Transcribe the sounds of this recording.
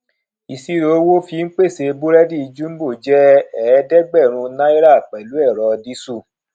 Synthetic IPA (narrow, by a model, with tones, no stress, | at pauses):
i˨si˦ɾo˨˦wo˦fi˧˦ŋ̩˦k͡pe˦˨se˧bu˦ɾɛ˦di˦i˧d͡ʒu˦m̩˦bo˦˨d͡ʒɛ˦ɛ˨˦dɛ˦ɡ͡bɛ˦˨ɾ̃ũ˧nã˦i˦ɾa˦˨k͡pɛ˨lu˨˦ɛ˦˨ɾɔ˧di˦su˦˨